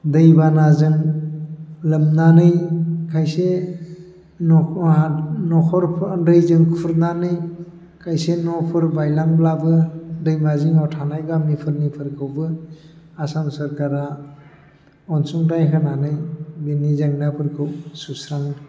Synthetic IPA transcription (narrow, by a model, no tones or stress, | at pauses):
dɯjbanazɯŋ | lɯmnanɯjkʰajse | nɔ | nɔkʰɔɾpʰdɯjzɯŋkʰpʰuɾnanɯj | kʰajsenɔpʰɯɾbajlaŋblabɯdɯjmazɯŋawtʰanajbamipʰɯɾnipʰɯɾkʰɯwbɯ | asamsɐɾkaɾa | ɔnsuŋtajkʰɯnanɯjbenizaŋnapʰɯɾkʰɯwsusɾaŋ